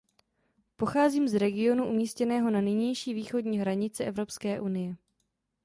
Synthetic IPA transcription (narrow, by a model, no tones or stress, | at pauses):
po̞xaːziːmzɾɛɡɪo̞nuʔumiːscɛnɛːɦo̞nanɪɲɛjʃiːviːxo̞dɲiːɦɾaɲɪt͡sɛʔɛvɾo̞pskɛːʔunɪjɛ